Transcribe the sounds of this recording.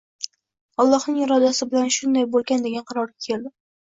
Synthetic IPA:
ɒlˠːɒhnɪŋɪɾɒd̪asɪbɪlanʃʊnd̪ajbolˠɡʲand̪eɡʲanqʰɑɾɒɾɡʲakʲʰe̞ld̪ɪ

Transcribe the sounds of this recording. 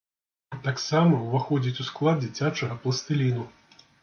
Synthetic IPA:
t̪aksamɐwvaxɔd͡zʲit͡sʲusklˠad̪̚d͡zʲit͡sʲat͡ʂɐɣɐplˠɐst̪ɨlʲinu

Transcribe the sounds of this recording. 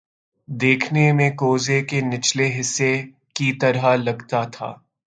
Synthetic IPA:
d̪eːkʰnemẽkoːzekenɪt͡ʃleɦɪsːe | kit̪ɐɾalɐɡt̪at̪ʰa̰ː

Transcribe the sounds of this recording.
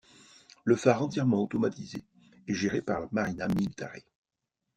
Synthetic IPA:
ləfaʁɑ̃t̪jɛʁmɑ̃ot̪ɔmat̪izeː | ʒeʁepaʁlamaʁinamilt̪a̰ʁe

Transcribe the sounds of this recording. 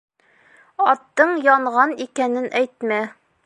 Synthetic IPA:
ɒt̪ːɤɴjɒɴʁɑnikænɘnʔæjt̪mæ

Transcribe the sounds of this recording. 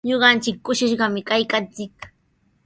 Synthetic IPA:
ɲoɢɑnt͡ʃɪkːʊʃɪʃɢɑmɪkajkant͡sɪk

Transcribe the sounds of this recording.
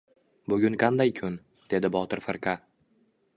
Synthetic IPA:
bʊɡʲʊŋqʰand̪ajkʰʊn | d̪̥e̞d̪ɪbɒt̪ʰɪɾfɪɾqʰa

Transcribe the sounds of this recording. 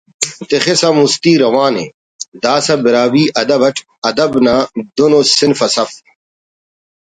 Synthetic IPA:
t̪exesɐmust̪iːɾɐwaːnḛ | d̪aːsɐbɪɾaːwiːʔɐd̪ɐbɐʈʰ | ɐd̪ɐbnaːd̪unosɪnfɐsɐf

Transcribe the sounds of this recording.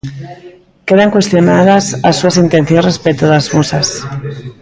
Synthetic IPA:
keðaŋkwe̞st̪jonað̞asasuasint̪enθjonrespet̪uðazmusas

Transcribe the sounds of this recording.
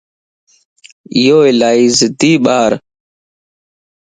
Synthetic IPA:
ɪjoːɪlaːiːzɪd̪iːɓaːɾ

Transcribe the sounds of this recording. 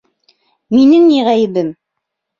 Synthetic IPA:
minɘŋniʁæjɘ̆bɘm

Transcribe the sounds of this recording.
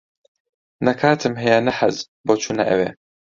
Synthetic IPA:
nɐkʰaːt̪ʰɨmɦɐjanɐħɐz | boːt͡ʃʰuːnɐʔɐ̰wḛː

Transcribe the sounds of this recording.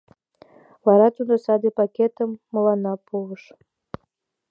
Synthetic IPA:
βɑɾɑt̪ud̪osɑd̪ipɑket̪əmːəlɑnɑpuβəʃ

